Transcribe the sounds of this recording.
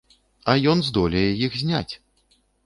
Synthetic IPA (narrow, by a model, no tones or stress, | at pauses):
ɐjɔnzd̪ɔlʲɐjɛjixzʲnʲat͡sʲ